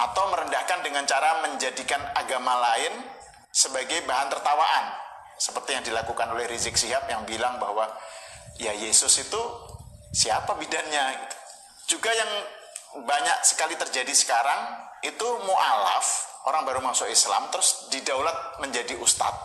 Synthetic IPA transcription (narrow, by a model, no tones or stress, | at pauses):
ʔat̪awməɾəndahkandəŋant͡ʃaɾaməɲd͡ʒadikanaɡamalaɪn | səbaɡajbaɦant̪ərt̪awaʔan | səpərt̪ijaŋdilakukanolɛhɾizɪk̚siɦap̚jaŋbilaŋbahwa | jajesʊsit̪u | siapabidanɲa | d͡ʒuɡajaŋ | baɲak̚sə̥kalit̪ərd͡ʒadisə̥kaɾaŋit̪umoʔala̰foɾaŋbaɾumaŋsoʔisla̰mt̪əɾʊsdidawlat̪̚məɲd͡ʒadiʔust̪a̰t̪̚